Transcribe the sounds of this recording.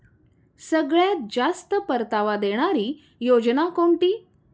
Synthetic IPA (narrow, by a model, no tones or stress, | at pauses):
səɡɭjat̪̚d͡zast̪əpəɾt̪aʋad̪eɽ̃aɾiː | jod͡ʑnakoɳʈiː